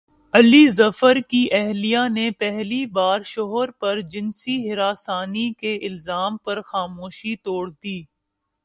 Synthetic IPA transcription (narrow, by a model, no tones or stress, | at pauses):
ɐlizɐfəɾkiʔɛɦlijanepɛɦlibaːɾʃɔɦəɾpɐɾd͡ʒɪnsiɦɪɾaːsaːnikeɪlzaːmpɐɾxaːmoːʃit̪oːɽd̪iː